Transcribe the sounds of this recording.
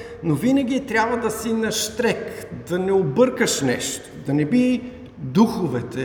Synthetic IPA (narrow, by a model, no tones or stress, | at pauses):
novinəɡ̟ʲit̪ɾʲabvɐd̪ɐsinɐʃt̪ɾɛkd̪ɐnɛobɤɾkəʃnɛʃt̪o̥d̪ɐnɛbi | d̪uxʊvɛt̪ɛ